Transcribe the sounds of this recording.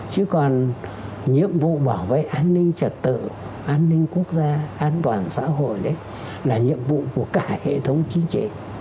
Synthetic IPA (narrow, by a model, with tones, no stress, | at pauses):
t͡ɕɨ˨˦kɔ˨˩n | ɲḭ˧˨əmvṵ˧˨ɓaː˧˩wvḛ˧˨jʔaː˧nːï˧ŋ̟t͡ɕə˨˩t̚t̪ɨ̰˧˨ | ʔaː˧nːï˧ŋ̟ku˦˥ək̚zaː˧ʔaː˧nt̪waː˨˩nsa̰ː˧˥ɦo̰˧˨jɗə˨˦j | laː˨˩ɲḭ˧˨əmvṵ˧˨ku˧˩əkaː˧˩hḛ˧˨t̪ʰə˨˦wŋ͡mt͡ɕï˨˦ŋt͡ɕḭ˧˩˨